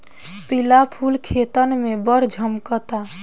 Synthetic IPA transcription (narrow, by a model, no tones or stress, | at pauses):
pilapʰulkʰet̪ənmebəɾd͡ʒʱəmkət̪a